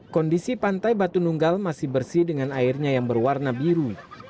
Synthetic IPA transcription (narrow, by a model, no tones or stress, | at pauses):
kɔndisipant̪ajbat̪unuŋɡalmasɪhbərsidəŋanairɲajaŋbərwarnabiɾu